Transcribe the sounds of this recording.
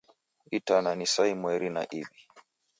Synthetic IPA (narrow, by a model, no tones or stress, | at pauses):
itananisaimwɛɾina̰ʔivi